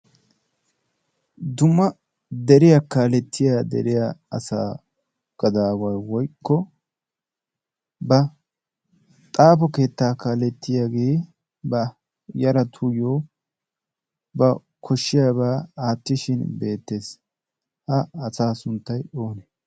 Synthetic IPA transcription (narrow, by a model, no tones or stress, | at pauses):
d̪ʊmːɐ | d̪ɛɾɪjakaːlɛt̪ʰːɪjaːd̪ɛ̰ɾɪjaɐsa̰ː | ɡ̥ɐd̪aːwɐjwɔjkʰːɔ | bɐ | t̪ʼaːpɔke̞ːt̪ːaːkaːlɛt̪ːɪjaːɡeː | bɐ | jɐɾɐt̪ʰʊjoː | bɐ | kʰɔʃːɪjaːbaːaːt̪ːɪʃɪnbe̞ːt̪ːe̞ːs | hɐɐsaːsʊnt̪ːɐjo̞ːnɛ